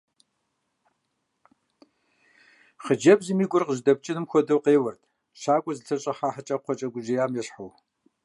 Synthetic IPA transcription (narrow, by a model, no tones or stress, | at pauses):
χəd͡ʒɐbzɨmiːɡʷʊrqəʒdɐp̚t͡ʃʼɪnɨmxʷɔdɐwqeːwɐrtʰʼ | ʃaːkʷʼɔzɨtʰɐɕʼɐħaːħət͡ʃʼɐqʷɔt͡ʃʼɐɡʷʊʒijaːmjɛɕħɐw